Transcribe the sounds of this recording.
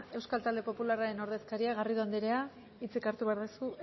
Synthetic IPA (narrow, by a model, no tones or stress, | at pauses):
e̞wskalt̪ald̪e̞po̞pularaɾe̞no̞ɾðe̞skaɾiaɣariðoand̪iɾea | it͡sikaɾt̪uβe̞aɾðusu